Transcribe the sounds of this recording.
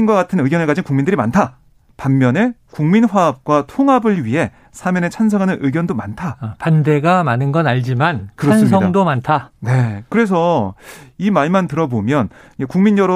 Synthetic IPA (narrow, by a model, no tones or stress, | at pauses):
inɡwaɡatʰɯnɯɡjʌnɯɭkad͡ʑinkuŋmindɯɾimantʰa | pamːjʌne̞kuŋminɸwaːp̚k͈watʰoŋabɯɭɥiɦe̞ | sʰamjʌnet͡ɕʰansʰʌŋɦanɯnʔɯɡjʌndomantʰapande̞ɡamanɯnɡʌnaʎd͡ʑimankɯɾʌasns̬ʰʌŋdomantʰane̞kɯɾe̞s̬ʰʌ | imaɭmantɯɾʌbomjʌn | ekuŋmiɲʌɾʌ